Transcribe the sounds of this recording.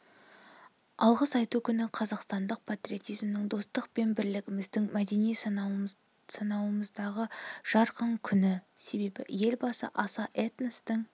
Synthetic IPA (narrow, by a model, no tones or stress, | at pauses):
ɑlˠʁəsɑjt̪ukʲʰʏnɪqʰɑzɑqst̪ɑnd̪əq̚pʰat̪ɾʲijo̞t̪ijzmnɪŋd̪o̞st̪əq̚pe̞nbɪɾlɪɡʲɪmɪzd̪ɪŋmæd̪e̞nij | sɑnɑwəməzd̪ɑʁəʒ̥ɑɾqʰɑŋkʲʰʏnɪ | se̞be̞bɪ̰je̞lbɑsə̰ʔɑsɑʔet̪nəst̪ɪŋ